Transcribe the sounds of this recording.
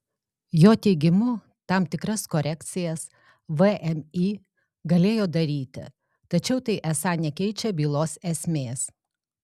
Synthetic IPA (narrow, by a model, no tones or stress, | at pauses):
joːt̪ʲɛɪɡʲɪmʊ | t̪ɑmt̪ʲɪkɾɐskoːɾʲɛkt̪sʲɪjɛs | ʋəʔɛmiː | ɡɐlʲeːjoːd̪ɐɾʲiːt̪ʲɪ̰ | t̪ɐt͡ʃʲɛʊt̪ɐɪʔɛsɑːnʲɛkʲɛɪt͡ʃʲɛbʲiːlˠoːsɛsʲmʲeːs